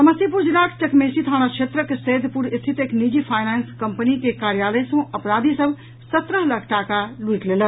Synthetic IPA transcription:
t̪ɐməsipuɾd͡ʒilaːkʰt͡ʃɐkmeːsit̪ʰaːɽ̃akʃʰeːt̪ɾəkeseːd̪ʱpuɾɪst̪ʰit̪eknid͡ʒipʰaːjneːnskɐmpənikekaːɾjaːləjsũʔɐpɾaːd̪ʱisəb | sɐt̪ɾəɦlɐkʰʈaːkaluiʈleːlə

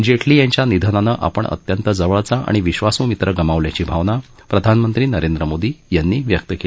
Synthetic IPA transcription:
d͡ʑeʈʰliːjaɲt͡ɕjanid̪ʱənanəʔa̰pəɳə̰t̪jənt̪əd͡zəʋəɭt͡saʔa̰ɽ̃iʋiɕʋasũːmit̪ɾəɡəmaʋljat͡ɕiːbʱaʋna | pɾəd̪ʱanmənt̪ɾiːnəɾend̪ɾəmod̪iːjanːiːʋjək̚t̪əkel

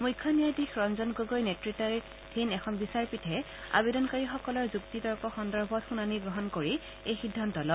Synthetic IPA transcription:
mujkʰːɔnijadixɹɔnzɔnɡoɡojnɛtɹitaɹɛ | dʰʱinɛxʰɔnbisaɹpitʰɛ | a̰bedɔnkaɹixɔkɔlɔɹzuktidɔɹkɔxɔndɔɹbʱɔtxunaniɡɹɔɦɔnkoɹi | ejxidʱːantɔlɔt

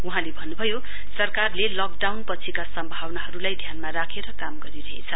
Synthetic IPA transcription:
uɦãlebʱʌnːubʱʌjo | sʌrkarlelʌk̚ɖawnpʌt͡sʰikasʌmbʱawnaɦʌɾulajd̪ʱjanmaɾakʰeɾʌkamɡʌɾiɾʌɦḛt͡sʰʌ

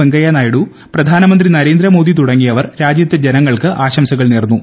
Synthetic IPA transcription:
eŋɡɐjaːnaːjiɽu | prɐd̪ʱaːnɐmɐnd̪rinɐɾe̞ːnd̪ɾɐmo̞ːd̪it̪uɽɐŋːijɐʋɐrɾaːd͡ʑjɐt̪ʲːjɐd͡ʑenɐŋːɐɭkɨʔaːɕɐmsɐɣɐɭneːrnːu

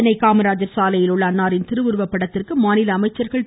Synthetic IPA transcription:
ɐnɐɪkaːmɐɾaːd͡ʒɐɾsaːlɐjɪlʊɭːɐːnːaːɾɪnt̪ɪɾɯʋʊɾɯʋɐpːɐɽɐt̪ːɯrkɯmaːnɪlɐːmɐɪt͡ʃːɐɾɣɐɭ

